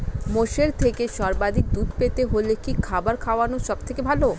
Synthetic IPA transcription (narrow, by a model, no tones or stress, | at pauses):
moʃeɾt̪ʰekeʃɔɾbad̪ʱik̚d̪ud̪pet̪eɦolekikʰabaɾkʰaoanoʃɔbt̪ʰekebʱalo